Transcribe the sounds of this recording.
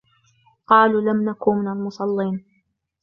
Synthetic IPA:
qɑːluːlamnakuːmɪnalmʊsˤɑlːiːn

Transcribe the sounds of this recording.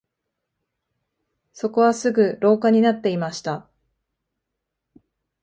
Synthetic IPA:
so̞ko̞βasɨɡɯ̟ɾo̞ːkaɲ̟inat̪ːe̞imaɕi̥t̪a

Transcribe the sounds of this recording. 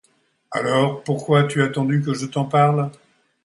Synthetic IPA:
a̰lɔːʁpuʁkwat̪yat̪ɑ̃d̪yk̬əʒət̪ɑ̃paʁl

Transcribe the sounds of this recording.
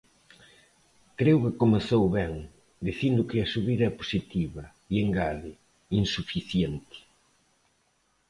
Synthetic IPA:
kɾewkɪkomeθowβɛŋ | d̪iθind̪ʊkɪɐsuβiðɐɛpo̥sit̪iβɐ | ieŋɡaðɪ | insufiθjent̪ɪ̥

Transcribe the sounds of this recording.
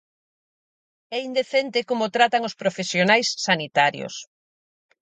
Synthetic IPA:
ɛind̪eθent̪ekomʊt̪ɾat̪aŋospɾofesjonajsːanit̪aɾjo̰s

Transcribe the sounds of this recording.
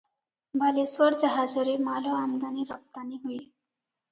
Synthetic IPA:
bʱaliswɔɾd͡ʒaɦad͡ʒɔɾemaloamd̪aniɾap̚t̪aniɦoi

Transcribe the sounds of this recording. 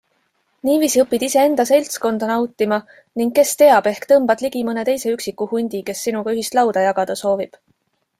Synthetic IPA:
niːviːsiɤpːˑid̪̥ise̞e̞nd̪̥ɑse̞lʲt̪sko̞nd̪̥ɑnɑwt̪ːˑimɑ | niŋɡkːe̞st̪e̞ɑb̥e̞hkt̪ɤmb̥ɑd̪̥liɡ̥imɤne̞t̪e̞jse̞yksikːˑuhunʲd̪̥ike̞sːinuɡ̥ɑyɦist̪lɑwd̪̥ɑjɑɡ̥ɑd̪̥ɑso̞ːvib̥

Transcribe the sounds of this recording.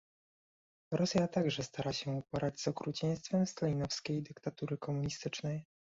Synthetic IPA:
ɾɔsʲjat̪aɡʐɛst̪aɾaɕɛupɔɾad͡ʑz̥ɔkɾut͡ɕɛj̃st̪fɛmst̪ɔlʲinɔfskʲejd̪ɘkt̪at̪uɾɘkɔmuɲist̪ɘt͡ʂnɛj

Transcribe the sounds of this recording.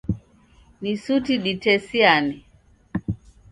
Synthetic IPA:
nisutiɗitɛsiani

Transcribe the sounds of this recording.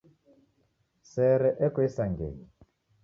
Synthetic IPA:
sɛɾɛʔɛkwisaŋɡḛːɲi

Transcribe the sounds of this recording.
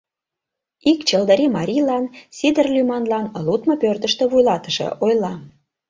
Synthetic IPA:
ikt͡ɕəld̪əɾimɑɾʲijlɑnsʲid̪ərlʲymɑnlɑnlut̪mɤpørt̪ə̆ʃt̪ĕβujlɑt̪əʃḛʔojlɑ

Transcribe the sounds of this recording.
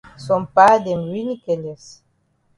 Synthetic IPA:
sɔ̃mpadɛmɹinikɛlɛs

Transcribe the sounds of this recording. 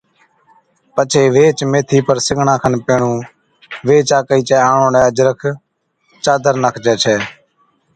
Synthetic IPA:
pət͡ʃʰeːʋeːt͡ʃmeːt̪ʰiːpəɾsɪɡɳãːkʰənpeːɳũː | ʋeːt͡ʃaːkəiːt͡ʃɛːãːɳõːnɛ̃ːəd͡ʒɾəkʰ | t͡ʃaːd̪əɾnəkʰd͡ʒɛːt͡ʃʰɛː

